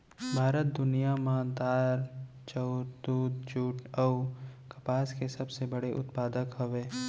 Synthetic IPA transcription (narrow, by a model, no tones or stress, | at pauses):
bʱaːɾət̪̚d̪ʊnijamaːnd̪aːɾ | t͡ʃɔʊɾd̪uːd̪d͡ʒuːʈʰɔkɐpaːskesɐbsebɐɽeʔʊ̰t̪paːd̪əkɦɐʋeː